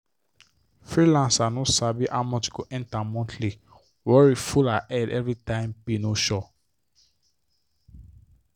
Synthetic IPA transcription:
fɹilãnsanɔsabiʔamɔt͡ʃɡoʔɛ̃ntãmɔ̃ntʰli | wɔɹifulaʔɛdɛ̰vɹitãɪ̃mpinoʃɔ

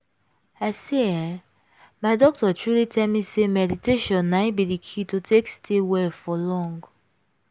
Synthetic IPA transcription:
aseã | maɪdɔk̚tɔtɹulitʰɛlmisemɛditeʃɔ̃nːaɪbidikʰitotʰekstʰewɛfɔlɔ̃ŋɡ

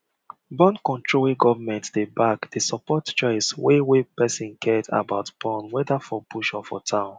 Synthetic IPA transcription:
bɔ̃nkɔ̃ntɹoleɡɔvamɛ̃ntdebakd̥esɔpɔtt͡ʃɔɪswewepɛsɔ̃nkʰɛda̰baʊtb̥ɔ̃nwɛdafɔbuʃɔfɔ̰tʰãʊ̃n

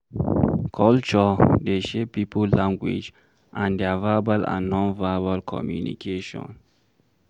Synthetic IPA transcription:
kʰɔlt͡ʃɔdeʃepipʰəllãŋɡwḭd͡ʒ | ʔãndɛavabalã̰nːɔ̃nvabalkʰɔ̰mjṵnḭkʰeʃɔ̰̃n

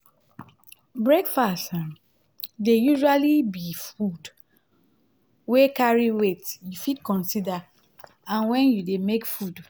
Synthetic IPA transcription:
bɹekfasta | dejuʒualibifud | wekaɹiwetjufidkɔ̃nsida | ãnwɛ̃njudemekfud

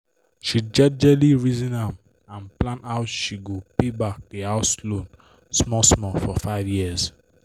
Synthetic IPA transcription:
ʃid͡ʒɛd͡ʒɛliɹizĩnhãm | ãnplãnaʊtʃiɡopebak̚deaʊslõn | smɔsmɔfɔfaɪvjiəz

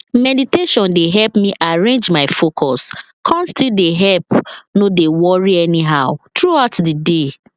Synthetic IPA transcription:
mɛditeʃɔ̃ndeɦɛlpmiʔaɹẽnd͡ʒmaɪfokʰɔs | kʰɔ̃ntstildeɦɛlpnodewɔɹiɛniɦaʊtɹuaʊtdide

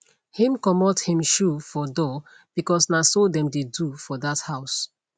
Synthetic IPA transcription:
hĩmkɔmɔthĩmʃufɔdɔ | b̥ikɔsnasodɛ̃mdedufɔdathaʊs

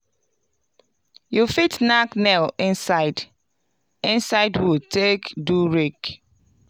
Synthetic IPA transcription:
jufitnaknɛlĩnsaɪd | ɪ̃nsaɪdwitʰekduɹik

